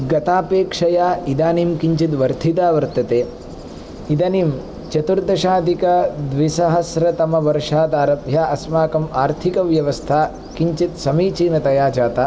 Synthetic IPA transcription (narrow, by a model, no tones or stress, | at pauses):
ɡɐt̪aːpeːkʂɐjaːid̪aːnimkiɲt͡ʃit̪ʋɐɾt̪ʰit̪aːʋɐɾt̪ɐt̪eː | id̪ɐːniːm | t͡ʃɐt̪uɾd̪ɐʃaːd̪ʱikɐd̪ʋisɐɦɐsɾɐt̪ɐmɐʋɐɾʂaːd̪aːɾɐbʱjaːʔɐsmaːkɐmaːɾt̪ʰikɐʋjɐʋɐst̪ʰaː | kiɲt͡ʃit̪sɐmiːt͡ʃiːnɐt̪ɐjaːd͡ʒaːt̪aː